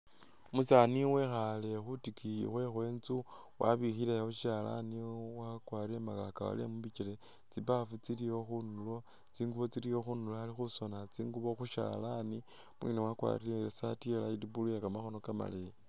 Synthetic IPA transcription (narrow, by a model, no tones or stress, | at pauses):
musaniwexale̞xutikḭxwe̞xwe̞ːnt͡su | wʔa̰βixileoʃala̰niwakwaɾiemakakaa̰lḛmuβit͡ʃile̞ | t͡sipafut͡silijo̞xunulo̞ | t͡siːŋɡuβo̞t͡silijo̞xunuloalixuso̞nat͡siːŋɡuβo̞xuʃa̰lani | mwḭnewakwa̰ɾileesatielaidibulujakamaxo̞no̞kama̰lei